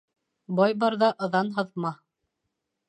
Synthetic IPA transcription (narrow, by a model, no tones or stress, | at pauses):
bɑjbɑɾðɑʔɤ̆ðɑnɦɤ̆ðmɑ